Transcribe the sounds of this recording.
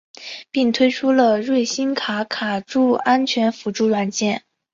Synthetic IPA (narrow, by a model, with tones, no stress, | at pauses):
pi˥˩ŋt̪ʰwe˥ɪʈ͡ʂʰu˥lə˨ɻwe˥˩ɪɕi˥nkʰa˧˥kʰa˨˩ʈ͡ʂu˥˩a˥nt͡ɕʰɥɛ˧˥nfu˧˥ʈ͡ʂu˥˧ɻwa˨˩nt͡ɕjɛ˥˩n